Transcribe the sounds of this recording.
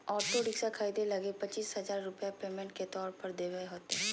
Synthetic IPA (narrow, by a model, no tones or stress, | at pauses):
ɔːʈoɖɪksakʰaːid̪elɐɡepɐt͡ʃiːsɦɐzaːɾːʊpjapeːmẽɳʈ̚ket̪ɔːɾpɐɾd̪eːʋəeɦoːt̪eɦɛ